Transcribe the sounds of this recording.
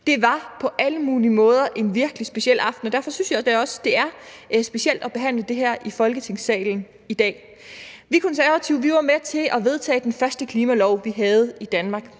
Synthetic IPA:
d̥e̝ʋɑ̈pʰɒ̽ʔæləmuːlimɔ̽ːð̞ˠɐʔe̝nʋiɐɡ̥əlisb̥e̝ɕiel̰ɑ̈fd̥n̩ɒ̽d̥æɐfɒ̽synsjɑɪd̥æɒ̽səd̥e̝æɐsb̥e̝ɕiel̰d̥ɒ̽b̥e̝ɦæn̰ləd̥e̝ɦæɐ̰ʔifɒ̽lɡ̥ət͡sʰe̝ŋ̰sɛ̰ːln̩ | id̥ɛ̰ː | ʋikʰɒ̽nsæɐʋæt͡sʰiʊ̰ʋiʋɑ̈met͡sʰe̝lɒ̽ʋe̝ð̞ˠt͡sʰɛ̰ːd̥enfɶɐsd̥əkʰliːmælɒʊ̰ʋiɦɛð̞̩ˠid̥ænmɑ̈ːɡ̥

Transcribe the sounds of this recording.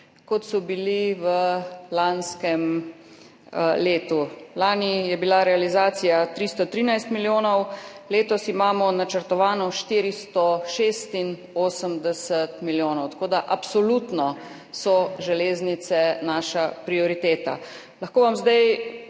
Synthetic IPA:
kɔt̪sɔbiliʋəlanskɛm | leːt̪ulaːnijɛbilaɾɛalizaːt̪sijat̪ɾist̪ɔt̪ɾiːnajst̪miljoːnɔwleːt̪ɔsimaːmɔnat͡ʃəɾt̪ɔʋaːnɔʃt̪iːɾist̪ɔʃest̪in | oːsəmd̪ɛsət̪miljoːnɔwt̪ḁkoːd̪aʔapsɔlut̪nɔ | sɔʒɛleːznit̪sɛnaːʃapɾiɔɾit̪eːt̪a̰ | laxkoːʋamzd̪aj

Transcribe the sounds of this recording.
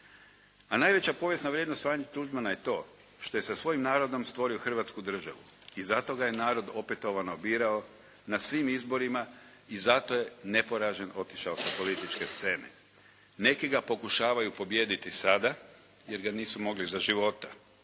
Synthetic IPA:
anaːjʋe̞t͡ɕapo̞ːʋje̞snaʋɾjed̪nost̪ʋaːɲet̪uʒmanaje̞t̪o̞ː | ʃt̪o̞je̞sasʋo̞jimnaːɾo̞d̪o̞mst̪ʋo̞ɾio̞xr̩ʋaːt̪skud̪r̩ʒaʋṵ | izat̪o̞ɡaje̞naːɾo̞d̪o̞pet̪oʋanobiːɾao̞ | nasʋimizbo̞ɾima | izat̪o̞je̞nepo̞ɾaʒeno̞t̪i̥ʃaosapo̞lit̪it͡ʃke̞st̪se̞ːnḛ | ne̞kiɡapo̞kuʃaːʋajupo̞bje̞ːd̪it̪isad̪a | je̞ɾɡaniːsumo̞ɡlizaʒiʋo̞t̪ḁ

